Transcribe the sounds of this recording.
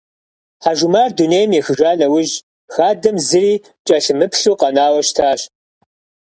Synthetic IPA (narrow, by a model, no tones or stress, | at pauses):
ħaʒumaːrduneːjmjɛxɨʒʷaːnɐwʊʒ | xaːdɐmzɨɾiː | t͡ʃʼɐɬɨmɨpɬuːqɐnaːwɐʃtʰaːɕ